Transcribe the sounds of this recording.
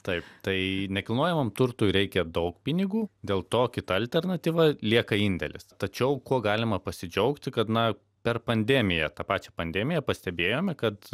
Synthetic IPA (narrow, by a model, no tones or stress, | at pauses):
t̪ɐɪpt̪ɐɪnʲɛkʲɪlˠnuɔjɛmɐmt̪ʊrt̪uːjɾʲɛɪkʲɛd̪ɐʊkpʲɪnʲɪɡuːd̪ʲeːlˠt̪oːkʲɪt̪ɐɐlʲt̪ʲɛrnɐt̪ʲiːʋɐlʲiɛkɐinʲd̪ʲɛ̰lʲɪ̰st̪ɐt͡ʃʲɛʊkuɔɡɑːlʲɪmɐpɐsʲɪd͡ʒʲɛʊkt̪ʲɪkɐt̪nɐ | pʲɛrpɐnʲd̪ʲɛmʲɪjɛt̪ɑːpɑːt͡ʃʲɛpɐnʲd̪ʲɛːmʲɪjɛpɐsʲt̪ʲɛbʲeːjoːmʲɛkɐt̪